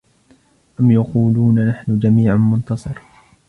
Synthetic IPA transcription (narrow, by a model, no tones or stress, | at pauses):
ʔamjaquːluːnanaħnʊd͡ʒamiːʕanmʊnt̪ɑsˤɨɾ